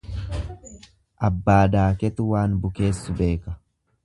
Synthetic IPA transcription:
ʔɐbːaːd̪aːkɛt̪ʊwaːnbʊke̞ːsːʊbe̞ːkɐ̥

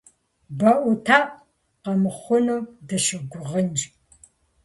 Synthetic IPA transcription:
bɐʔʷʊtʰaːʔ | qɐmɨχʷʊnuːdɐʃɨɡʷʊʁənd͡ʒ

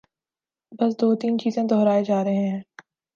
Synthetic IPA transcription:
bɐsd̪oːt̪iːnt͡ʃiːzẽd̪ɔɦɾaːed͡ʒaːɾɐɦẽɦɛ̃ː

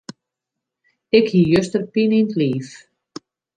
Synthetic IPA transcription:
ɪkhijʏst̪əɾpinint̪liːf

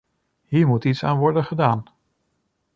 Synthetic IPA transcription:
ɦiːɹmutitsaːnʋɔɹdənχədaːn

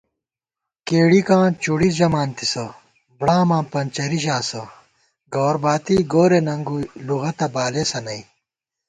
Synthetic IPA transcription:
keːɽikãːt͡ɕuɽisd͡ʑɐmaːnt̪isɐ | bɽãːmãːpɐnt͡ɕɐɾiɕ̬aːsɐ | ɡoːɾbaːt̪iːɡoːɾenɐŋɡuluɣɐt̪ɐbaːlesɐnɐi

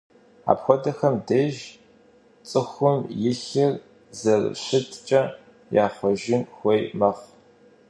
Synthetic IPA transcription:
a̰ːpxʷɔdɐxɐmdɐʒ | t͡sʼɨxʷʊmjɪɬɨr | zɐr̰ɕɪtʰt͡ʃʼɐ | jaːχʷɔʒɪnxʷejmɐʁ

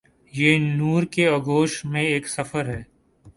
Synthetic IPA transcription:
jeːnuːɾkeɐɡoːʃmẽeːksɐfəɾɦɛː

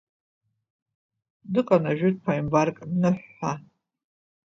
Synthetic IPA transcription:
dɨqʼanaʒᶣɪt̚ʼpʰajimbarkʼmnɨħːa

